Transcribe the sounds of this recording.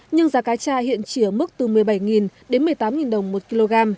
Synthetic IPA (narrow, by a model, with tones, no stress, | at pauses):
ɲɨ˧ŋzaː˨˦kaː˨˦jt͡ɕaː˧hḭ˧˨ənt͡ɕi˧˩əmɨ˦˥k̚t̪ɨ˨˩mɨ˨˩əjɓa˧˩jŋi˨˩nɗe˨˦nmɨ˨˩əjt̪aː˨˦mŋi˨˩nɗə˨˩wŋ͡mmo˨˩t̚ki˧lo˧ɣaː˧m